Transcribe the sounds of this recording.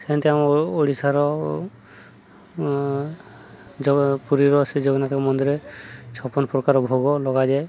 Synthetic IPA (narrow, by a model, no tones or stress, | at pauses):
sɛant̪ɛamoɽisaɾɔ | d͡ʒɔpuɾiɾɔsid͡ʒɔɡɔnat̪kɔmɔnd̪iɾɛt͡ʃʰɔpɔnpɾɔkaɾɔbʱɔɡɔlɔɡadɛ